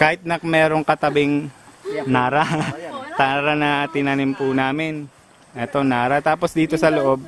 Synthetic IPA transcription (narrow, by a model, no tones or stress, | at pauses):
kaːhɪt̪̚nɐmɛːɾo̞ŋkɐt̪ɐbɪŋ | naːɾat̪aːɾɐnɐt̪ɪnanɪmpʊnaːmɪn | ʔɛt̪o̞naːɾɐt̪aːposd̪iːt̪o̞sɐloʔo̞b̚